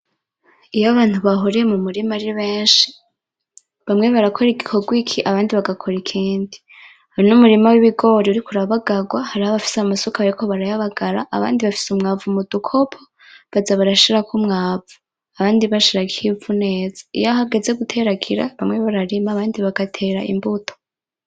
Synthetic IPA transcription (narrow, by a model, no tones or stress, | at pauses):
ijaβaːn̥huβaɦoɾijemumuɾimaɾiβe̞ːnʃi̥ | βamŋe̞βaɾakʰo̞ɾiɡikʰo̞ɡwikʰiʔaβaːndiβaɡakʰo̞ɾikʰiːndi | hainumuɾimawiβiɡo̞ɾiuɾikuɾaβaɡaɡwahaɾihaβafi̥samasokaβaɾikʰo̞βaɾajaβaɡaɾaʔːβa̰ːndiβafi̥sumŋaːvumudukʰo̞pʰo | βazaβaɾaʃiɾakumŋaːvu | aβaːndiβaʃiɾaɡihivune̞ːz̥ḁḭjaɦaɡe̞ze̞ɡutʰe̞ɾaɡiɾa̰βamŋe̞βaɾaɾimaːβaːndiβaɡatʰe̞ːɾaʔḭmbutʰo̥